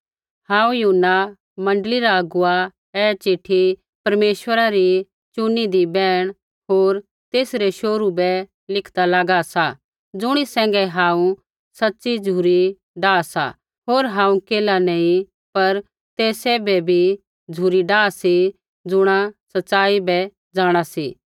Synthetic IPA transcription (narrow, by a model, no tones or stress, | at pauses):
hãːũjuɦnːa | mɐ̃ɳɖliɾaɐɡʊa | ɛːt͡ʃɪʈʰi | pɐɾmeːʃwəɾaɾi | t͡ʃʊnid̪ibɛːɽ̃ | ɦoːɾ | t̪eːsɾeʃoːɾubɛ | lɪkʰd̪alaːɡasa | d͡zʊɽ̃isɛ̃ːŋ̆ɡɛɦãːũ | sɐtːsid͡zʱuːɾi | ɖaːsa̰ | ɦoːɾɦãːũkeːlanɛ̃ĩ | pɐɾ | t̪eːseːbɛbʱi | d͡zʱuːɾiɖaːsi | d͡zʊɽ̃asɐtːsaːibɛ | d͡zaːɽ̃asḭː